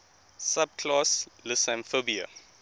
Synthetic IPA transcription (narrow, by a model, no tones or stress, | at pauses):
sabkʰlaslusãnfobia̰